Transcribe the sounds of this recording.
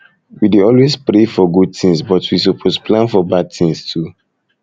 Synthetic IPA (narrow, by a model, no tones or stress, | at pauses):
wideɔlwespɾefɔɡud̚tĩŋsbɔtwis̬opʰosplãnfɔbad̚tĩŋstʰu